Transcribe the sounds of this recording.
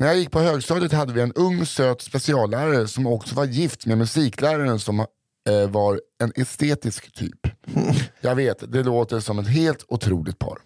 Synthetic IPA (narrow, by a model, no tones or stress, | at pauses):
næɾjaːjɪk̚ːpʰɔhøːɡst̪ɑːd̪ət̪had̪ːəvɪɛnɵŋːsøːt̪spɛsɪɑːlːæːɾaɾəsɔmɔksɔvaɾjɪft̪memɵsiːklæːɾaɾənsɔm | vɑɾɛnʔɛst̪eːt̪ɪskt̪ʰy̰ːp | jɑːɡveːt̪d̪ɛloːt̪əʂɔmɛt̪ɦeːlt̪ʊt̪ʰɾṵːlɪɡt̪̚pʰɑ̰ːɾ